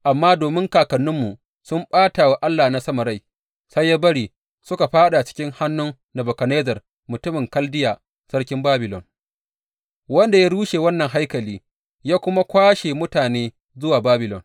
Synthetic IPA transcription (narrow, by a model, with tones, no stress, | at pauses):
ʔa˨mːaː˦doː˨mɪ˦ŋkaː˨kɐ˨nːʊ˦mːu˨ | sʊ˦mɓaː˦taː˨wa˦ʔa˦lːaː˨na˦sɐ˦ma˨ɾa˦˨j | sa˦jːa˦bɐ˦ɽiː˨ | sʊ˦ka˨ɸaː˦ɗa˨t͡ʃɪ̥˦kʲɪ˦ŋha˦nːʊ˦ŋ | na˨bɔ˨kɐ˨ne˦d͡ʒɐ˨r | mʊ˨tʊ˦mɪ˨ŋkɐ˦ldɪ˦jaː˨ | sɐ˦rkʲɪ˦mbaː˦bɪ˨lɔ̰˨n | wɐ˦nda˨ja˦ɽuː˦ʃeː˨wɐ˦nːɐ˨ŋɦa˦jkɐ˨liː˦ | jaː˦kʷʊ˦ma˦kʷaː˦ʃeː˨mʊ˦taː˨neː˦ | zʊ˦waː˨baː˦bɪ˨lɔ̰˨n